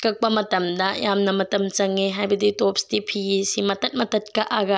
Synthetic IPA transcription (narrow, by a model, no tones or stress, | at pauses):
kɐk̚pɐmɐtɐmdɐjamnɐmɐtɐmt͡ʃɐŋːeɦajbɐditop̚stipʰiɡisimɐtɐt̚mɐtɐt̚kɐʔaɡɐ